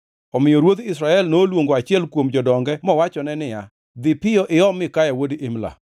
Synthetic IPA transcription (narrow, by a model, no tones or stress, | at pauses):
ɔmɪjɔɾwot̪ɪsɾaɛlnoːlwoŋɡoat͡ʃɪɛlkwomd͡ʒɔdɔŋɡɛmɔwat͡ʃɔnɛnɪja | d̪ɪpɪjɔʔɪɔmɪkajawodʔɪmla̰